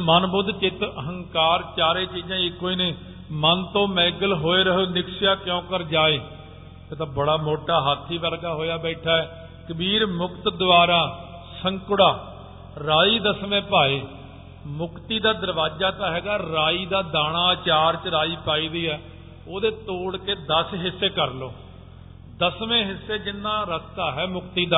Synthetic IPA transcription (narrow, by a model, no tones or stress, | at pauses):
mənbʊd̪t͡ʃɪt̪əɦəŋkaːɾt͡ʃaːɾeːt͡ʃiːd͡ʒãːɪkːoːiːneː | mənt̪õːmɛ̃ːɡəlɦoːeːɾəɦoːnɪkʰsɪjaːkjõːkəɾd͡ʒaːeː | t̪et̪ãːbəɽaːmoːʈaːɦat̪ʰːiːʋəɾɡaːɦoːjaːbɛːʈʰaːɛː | kəbiːɾmʊkt̪d̪ʊʋaːɾaː | səŋkʊɽaː | ɾaːiːd̪əsmẽːpaːeː | mʊkt̪iːd̪aːd̪əɾʋaːd͡ʒaːt̪ãːɦɛːɡaːɾaːiːd̪aːd̪aːɽ̃aːt͡ʃaːɾt͡ʃəɾaːiːpaːiːd̪iːɦɛː | oːd̪eːt̪oːɽkeːd̪əsɦɪsːeːkəɾloː | d̪əsʋẽːɦɪsːeːd͡ʒɪnːãːɾəst̪aːɦɛːmʊkt̪iːd̪aː